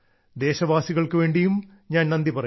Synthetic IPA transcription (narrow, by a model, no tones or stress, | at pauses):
d̪e̞ːɕɐʋaːsiɣɐɭkɨʋe̞ːɳɖijum | ɲaːnnɐnd̪ipɐrɐ